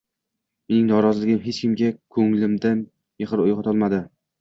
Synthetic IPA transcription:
menɪŋnɒɾɒzɪlɪɡʲɪmɦet͡ʃkʲʰɪmɡʲakʰɵŋlɪmd̪an | jeʁɨɾojʁɑt̪ʰɒlˠmad̪ɪ

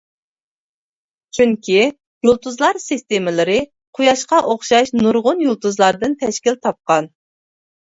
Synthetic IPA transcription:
t͡ʃʰyŋkʲʰi | julˠt̪uzlˠɑɾsɨst̪emɪlˠɨɾɨ | qʰʊjɑʃqɑʔoχʃɑʃnuɾʁʊnjulˠt̪ʰuzlˠɑɾd̪ɨnt̪ʰɛʃkʲilt̪ʰɑp̚qɑn

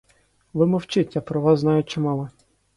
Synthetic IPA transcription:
ʋɪmɔwt͡ʃɪtʲːɐpɾɔʋɑzznɑjʊt̚ʲt͡ʃɪmɑlˠɛ

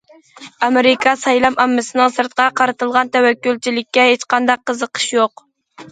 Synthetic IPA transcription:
ɑmɪɾɪkʰɑsɑjlˠɑmɑmːɨsɨnɨŋsɨɾt̪̚qʰɑqʰɑɾɨt̪ɨlˠʁɑnt̪ʰæwækʲːylt͡ʃʰilɪkʲːɛɦet͡ʃqʰɑnd̪ɑqʰːəzəqʰə̥ʃjoq

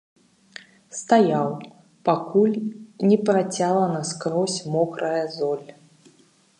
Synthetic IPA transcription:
st̪ajaw | pakulʲnʲɛpɾat͡sʲalˠɐnɐskɾɔsʲmɔkɾɐjɐzɔlʲ

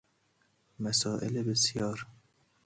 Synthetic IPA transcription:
mæsɒːʔelebesjɒːɾ

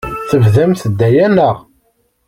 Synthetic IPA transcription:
θəvðæmθəd̪ːæjænəʁ

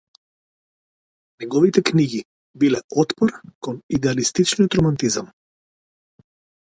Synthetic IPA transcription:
nɛɡɔvit̪ɛkniɡi | bilɛɔt̪pɔɾkɔnid̪ɛalist̪it͡ʃnijɔt̪ɾɔmant̪izam

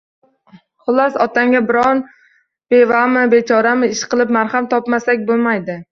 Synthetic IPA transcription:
χʊlˠasɒt̪ʰaŋɡʲabɪɾɒn | b̥evamɪbe̞t͡ʃʰɒɾamɪɪʃqʰɨlˠɪp̚maɾhamt̪ʰɒpmasakʲbolˠmajd̪ɪ

